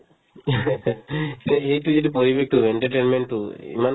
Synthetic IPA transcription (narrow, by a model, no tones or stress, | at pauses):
eːʈud͡ʒiʈipoɾiʋek̚ʈueɳʈɐɾʈeːnmeɳʈuḭman